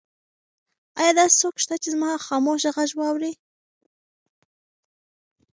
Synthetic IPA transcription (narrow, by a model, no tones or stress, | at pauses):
ɑjɑd̪ɑse̥sokʃt̪at͡ʃezmɑxɑmoʃaɣaʒwɑwɾi